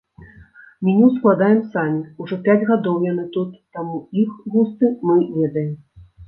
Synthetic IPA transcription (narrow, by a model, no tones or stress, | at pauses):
mʲinʲɛwsklˠad̪ajɛmsamʲiuʐɔpʲad͡zʲɣad̪ɔwjanɨt̪ut̪ːamuixɣust̪ɨmɨvʲɛd̪ɐjɛm